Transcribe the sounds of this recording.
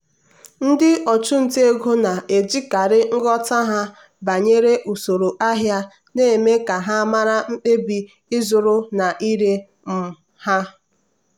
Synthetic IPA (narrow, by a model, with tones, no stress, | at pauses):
n̩˦dɪ˦ʔɔ˨t͡ʃʊ˦n̩˨te˦e˦ɡo˦na˨e˨d͡ʒi˦ka˨ɾɪ˦ŋ̩˦ɡɔ˦ta˦ɦa˦ | ba˨ɲe˦ɾe˦ʔu˨so˨ɾo˨ʔa˦ɦja˦ | neː˦˨me˦ka˨ɦa˦ma˦ɾa˦m̩˦k͡pe˦bi˦ | ɪ˦zʊ˨ɾʊ˦na˨ʔi˦ɾe˦ | m̩˨ | ha˦